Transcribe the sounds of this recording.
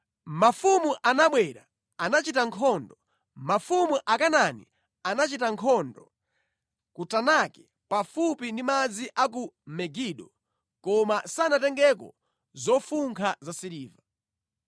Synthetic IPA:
mafumuʔanaɓwɛɾa | anat͡ʃitaŋkʰɔndɔ | mafumuʔakananḭ | anat͡ʃitaŋkʰɔndɔ | kutanakɛ | pafupindimad͡ziʔak̬umɛɡiɗɔ | kɔmasanatɛŋɡɛk̬ɔ̰ | zɔfuŋkʰazasiɾiːva

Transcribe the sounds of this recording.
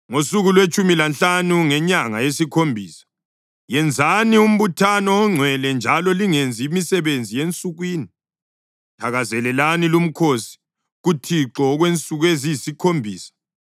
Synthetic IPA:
ŋosuɣulwet͡ʃʼumilanɬanuŋɛɲaŋajesikʰombʱiːsḁ | jɛnd͡zʱanium̩βutʰanɔːŋ͡ǀʱwɛlɛnd͡ʒʱalɔliŋend͡zʱimisɛβend͡zʱijent͡sʼuɣwiːni | tʰaɣazɛlɛlanilum̩kʰosi̥ | ɣutʰiǁɔɣwent͡sʼuɣwezisikʰombʱiːsḁ

